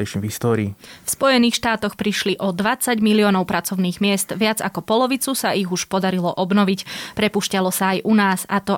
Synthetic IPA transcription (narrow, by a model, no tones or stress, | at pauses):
ɛʃvɦist̪ɔːɾiːfspɔjɛniːxʃt̪aːt̪ɔxpɾiʃliʔɔd̪ʋat͡saɟmiliɔnɔʊpɾʔat͡sɔʊniːɣmɪɛst̪ʋɪad͡zakɔpɔlɔʋit͡susaʔiɣuʃpɔd̪aɾilɔʔɔbnɔʋicpɾɛpuːʃcalɔsaːjʔunaːzat̪ɔ